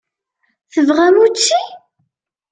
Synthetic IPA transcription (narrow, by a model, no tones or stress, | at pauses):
θəvʁæmut͡ʃːi